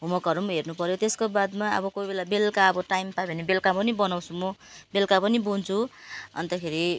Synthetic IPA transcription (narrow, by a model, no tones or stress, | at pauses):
ɦumʌkʌɾumɦernupʌɾjot̪eskobad̪maʌ̰bʌkojbelabelkaʌbʌʈajmpabʱʌnebelkapʌnibʌnaw̃t͡sʰumʌbelkapʌnibunt͡sʰuʌ̰nt̪akʰeɾi